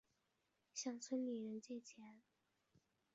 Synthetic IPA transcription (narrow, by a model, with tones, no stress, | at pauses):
ɕjɑ˥˩ŋt͡sʰwə˥nli˨˩ɻə˧˥nt͡ɕjɛ˥˩t͡ɕʰjɛ˧˥n